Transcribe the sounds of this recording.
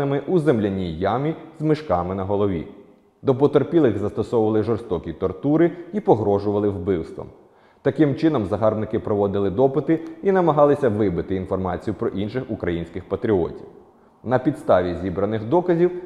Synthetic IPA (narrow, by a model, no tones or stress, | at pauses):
ɪmɪʔuzemlʲɐnʲijɑmʲizmɪʃkɑmɪnɐɦɔlˠɔʋʲḭ | d̪ɔpɔt̪erpʲilˠɪɣzɐst̪ɔsɔʋʊʋɐlˠɪʒɔrst̪ɔkʲit̪ɔrt̪uɾɪipɔɦɾɔʒʊʋɐlˠɪwbɪwst̪ʋɐ̰m | t̪ɐkɪmt͡ʃɪnɔmzɐɦɑrbnɪkɪpɾɔʋɔd̪ɪlˠɪd̪ɔpɪt̪ɪinɐmɐɦɑlˠɪsʲɐʋɪbɪt̪ɪinfɔrmɑ̰t͡sʲijʊpɾɔʔinʃɪxukɾɐjinʲsʲkɪxpɐt̪ɾʲiɔ̰tʲiw | nɐpʲid̪st̪ɑʋʲizʲibɾɐnɪxd̪ɔkɐzʲiw